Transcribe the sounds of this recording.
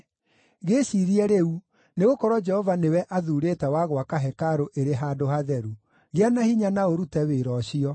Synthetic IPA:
ɣeɕiɾiɛɾeu | neɣokɔɾɔd͡ʒɛhɔvanewɛʔaðuɾetɛwaɣwakaɦɛkaɾoʔeɾeɦaːdohaðɛɾu | ɣeanahiɲanaoɾutɛweɾɔɕiɔ

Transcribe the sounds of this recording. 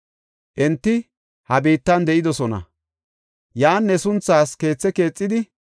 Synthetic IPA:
ʔɛnt̪ːɪ | hɐbiːt̪ːɐnd̪ɛʔɪd̪ɔsɔnɐ̰ | jaːnːɛsʊnt͡sːaːske̞ːt͡sːɛke̞ːt͡sʼːɪd̪ɪ

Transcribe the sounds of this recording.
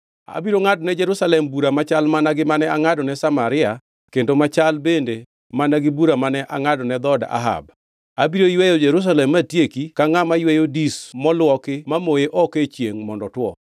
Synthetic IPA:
a̰biɾoŋadɔnɛd͡ʒɛɾusalɛmbuɾamat͡ʃalmanaɡɪmanɛaŋadɔnɛsamaɾɪa | kendomat͡ʃalbende | manaɡɪbuɾamanɛʔa̰ŋadɔnɛd̪ɔda̰ɦa̰b | abiɾojwejod͡ʒɛɾus̬alɛmːatjekikaŋamajwejodismɔlwɔkɪmamojeʔɔket͡ʃjeŋmɔndɔtwɔ̰

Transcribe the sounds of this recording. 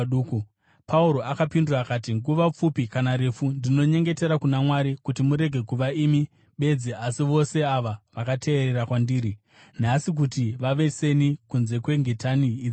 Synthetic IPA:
uːku | pʰauɾo̞ʔakapinduraːkatiŋɡuʋap͡fupikanaɾe̞fundino̞ɲe̞ŋɡe̞te̞ɾakunamwaɾikutimuɾe̞ɡʱe̞kuʋaiːmi | ɓe̞d͡ziasiʋo̞se̞aʋaʋakatʰe̞ːɾe̞rakwandiːɾi | nasik̬utiʋaʋe̞se̞nikunze̞kwe̞ŋɡe̞taniːd͡zi

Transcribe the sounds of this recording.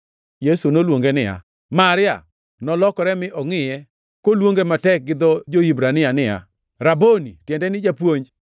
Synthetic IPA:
jesunolwoŋɡenɪja̰ | maɾɪja̰ | nɔlɔkɔɾɛmɪʔɔŋɪjɛ | kolwoŋɡematɛk̚ɡɪd̪ɔd͡ʒoibɾanɪjanɪja̰ | ɾabonḭtjɛndɛnɪd͡ʒapwoɲd͡ʒ

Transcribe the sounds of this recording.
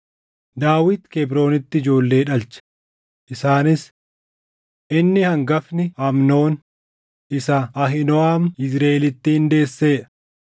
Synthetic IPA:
d̪aːwɪt̪kebɾo̞ːnɪt̪ːɪɪd͡ʒo̞ːlːe̞ːᶑɐlt͡ʃɐ̥ | ʔɪsaːnɪs | ʔɪnːɪhɐŋɡɐfnɪhɐmno̞ːn | ʔɪsɐɐɦɪnɔaːmɪs̬ɾeːɛlɪt̪ːɪhɪnd̪e̞ːsːe̞ːᶑɐ̥

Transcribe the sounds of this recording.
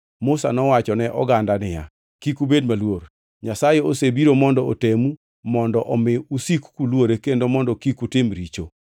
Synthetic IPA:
mʊsa̰nɔwat͡ʃɔnɛʔɔ̰ɡandanɪja̰ | kikubedmalwor | ɲasajeosebiɾomɔndɔo̰temu | mɔndɔʔɔmɪusikkulwoɾekendomɔndɔkikutɪmɾit͡ʃo

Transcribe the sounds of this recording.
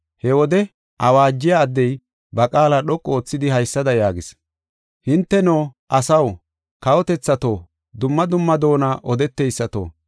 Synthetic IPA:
hɛwɔd̪ɛ | ʔɐwaːd͡ʒːɪjaːd̪ːɛj | bɐkʼaːlaɗɔkʼːo̞ːt͡sːɪd̪ɪhɐjsːɐd̪ɐjaːɡɪs | hɪnt̪ːɛnoːʔɐsɐw | kɐwɔt̪ɛt͡sːɐt̪oː | d̪ʊmːɐd̪ʊmːɐd̪o̞ːnaʔɔd̪ɛt̪ːɛjsːɐt̪o̰ː

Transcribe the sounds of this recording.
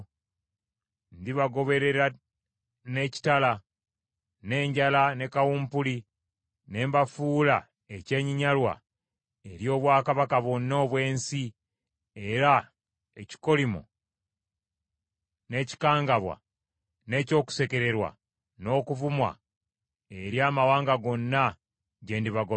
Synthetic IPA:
ndiβaɡo̞βe̞ɾe̞ɾa | ne̞ci̥tala | ne̞ːɲɟalane̞kawuːmpuli | ne̞ːmbafuːla | ece̞ːɲiɲalwa̰ | eɾjo̞ːβwaːkaβakaβonːo̞ːβwe̞ːnsi | e̞ɾa | e̞ci̥ko̞limo̰ | ne̞ːci̥kaːŋɡaβwa̰ | ne̞ːco̞ːku̥se̞ke̞ɾe̞ɾwa̰ | no̞ːkuvumwa̰ | eɾjaːmawaːŋɡaɡo̞nːa | ɟe̞ːndiβaɡo

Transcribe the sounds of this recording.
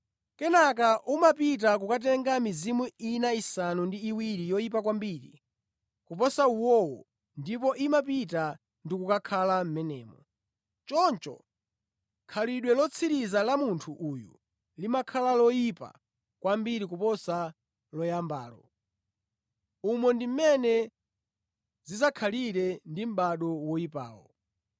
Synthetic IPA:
kɛnakaʔumapit̬ak̬ukat̬ɛŋɡamizimuinaisanundiːwiɾijɔjip̬ak̬wambiɾḭ | kup̬ɔsauwɔwɔ | ndip̬ɔʔimap̬ita | ndikukakʰalam̩mɛnɛːmɔ | t͡ʃɔnt͡ʃɔ̰ | kʰaliɗwɛlɔt͡sʰiɾizalamuntʰuʔujṵ | limakʰalalɔjipa̰ | kwambiɾik̬upɔsa | lɔjamba̰ːlɔ̰ | umɔndim̩mɛnɛ | zizakʰaliɾɛndim̩ɓaɗɔwɔjipa̰ːwɔ̰

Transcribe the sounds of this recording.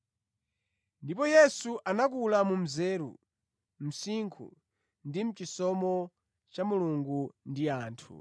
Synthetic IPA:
ndipɔjɛsuʔanak̬ulamum̩zɛːɾṵ | m̩siŋkʰṵ | ndim̩t͡ʃisɔmɔ | t͡ʃamuluŋɡundiaːntʰṵ

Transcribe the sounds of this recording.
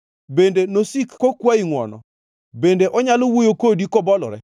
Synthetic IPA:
bendenosikkːokwaiŋwɔ̰nɔ̰ | bendeʔɔɲalowojokodikɔbɔlɔ̰ɾɛ

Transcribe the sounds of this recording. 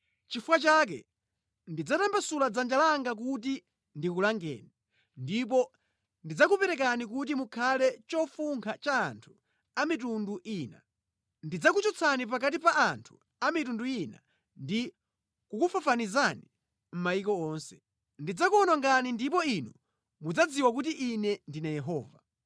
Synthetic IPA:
t͡ʃifuwat͡ʃak̬ɛ̰ | ndid͡zatambasulad͡zand͡ʒalaŋɡak̬ut̬i | ndikulaŋɡɛ̰ːni | ndipɔ | ndid͡zakupɛɾɛkanik̬ut̬imukʰalɛt͡ʃɔfuŋkʰat͡ʃa̰ːntʰu̥ | amitunduʔiːna̰ | ndid͡zakut͡ʃɔt͡sʰanip̬akat̬ipaantʰu̥ | amit̬unduina̰ | ndi | kukufafanizani | m̩maikɔɔːnsɛ̥ | ndid͡zakuɔnɔŋɡanindipɔinu | mud͡zad͡ziwak̬ut̬iʔinɛndinajɛɦɔːva

